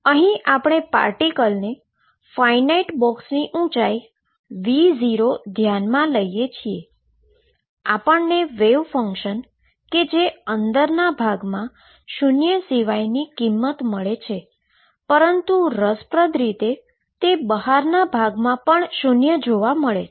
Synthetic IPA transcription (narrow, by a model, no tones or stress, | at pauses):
əɦĩʔapɽ̃epa̰ɾʈikəlne | fainaiʈbɔksniʔũt͡ʃai | ʋiziɾod̪ʱjanmãləijet͡ʃʰie | apəɳneʋeʋfə̃ŋkʃən | ked͡ʒeənd̪əɾnabʱaɡmã | ʃunjəsiʋajnikimːət̪məɭet͡ʃʰe | pəɾənt̪uɾəspɾəd̪ʱɾit̪e | t̪ebəɦaɾnabʱaɡmãpəɳʃunjəd͡ʒoʋaməɭe